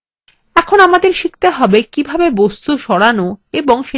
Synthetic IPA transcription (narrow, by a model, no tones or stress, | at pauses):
ɛkʰonamad̪eɾʃik̚t̪aɦɔbekibʱabebost̪uʃɔɽanoeboŋʃe